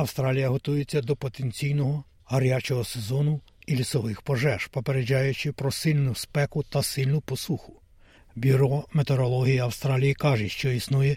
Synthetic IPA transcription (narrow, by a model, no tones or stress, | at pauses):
ɐwst̪ɾɑlʲijɐɦɔt̪ujet͡sʲːɐd̪ɔpɔt̪enʲt͡sʲijnɔɦɔ | ɦɐɾʲjat͡ʃɔɦɔsezɔnʊ | ilʲisɔʋɪxpɔʒɛʃpɔpeɾed͡ʒɑjʊt͡ʃɪpɾɔsɪlʲnʊspɛkʊt̪ɐsɪlʲnʊpɔsuxʊ̥ | bʲiɾɔmet̪eɾɔlˠɔɦʲijiɐwst̪ɾɑlʲijikɑʒɛʃt͡ʃɔisnujɛ